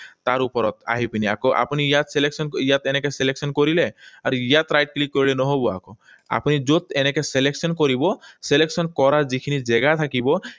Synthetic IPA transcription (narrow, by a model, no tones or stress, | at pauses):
t̪aɾupɔɾɔ̰t̪a̰ɦipinia̰koʔa̰punijat̪seleksɔnkijat̪enekeseleksɔnkɔɾileaɾuijat̪ɾajʈ̚klikːɔɾilenɔɦobɔa̰ko | a̰punid͡ʒot̪enekeseleksɔnkɔɾibɔseleksɔnkɔɾad͡ʒikʰinid͡ʒɛɡat̪ʰakibɔ